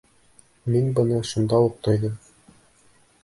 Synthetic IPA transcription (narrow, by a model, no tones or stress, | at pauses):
minbɤ̆nɤʃund̪ɑuq̚t̪ŏjðɤm